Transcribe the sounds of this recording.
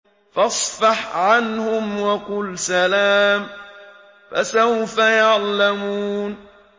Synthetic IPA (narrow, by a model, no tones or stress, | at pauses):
fɑsˤfɑħʕanhʊmwɑqʊlsalaːm | fasawfajaʕlamuːn